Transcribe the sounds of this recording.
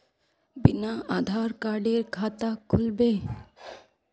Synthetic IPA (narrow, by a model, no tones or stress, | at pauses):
binaad̪ʱaɾkaɾɖeɾkʰat̪akʰːulbe